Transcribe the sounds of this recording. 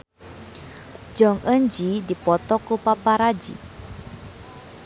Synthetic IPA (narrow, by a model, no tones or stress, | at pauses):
d͡ʒɔŋʔənd͡ʒidipɔt̪ɔkupapaɾad͡ʒḭ